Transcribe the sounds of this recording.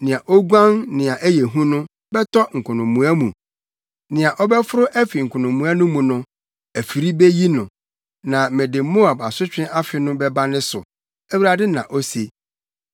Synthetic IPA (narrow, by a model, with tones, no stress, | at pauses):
nɪ̃˨a˨ʔɔ˦ɡʷã˦nnɪ̃˨a˨ʔæ˦je˨ɦũ˦nʊ̃˦ | bɛ˦tʰɔ˦ŋ̩˨kʰʊ˨nʊ̃˨mːũ˨æ˦mũ˨ | nɪ̃˨a˨ʔɔ˦bɛ˦fʊ˦ɾʊ˦ʔæ˦fi˨ŋ̩˨kʰʊ˨nʊ̃˨mũ˨a˦nʊ̃˦mũ˨nʊ̃˦ | æ˨fi˨ɾi˦be˦ji˦nʊ̃˨ | nã˨mɪ̃˨dɪ˨˦mo˦a˨ba˨sʊ˦t͡ɕᶣɪ̃˦ʔa˦fɪ˦nʊ̃˦bɛ˦ba˦nɪ̃˦sʊ̰˨ | æ˦wu˦ɾa˨dɪ˦nã˨ʔɔ˦se˨